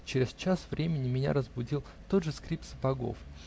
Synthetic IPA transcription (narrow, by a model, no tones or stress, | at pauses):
t͡ɕɪɾʲɪst͡ɕasvɾʲemʲɪnʲɪmʲɪnʲa̰ɾəzbʊdʲilˠ | t̪o̞d̪ʐɨskɾʲip̚t̪səpɐɡo̞̰f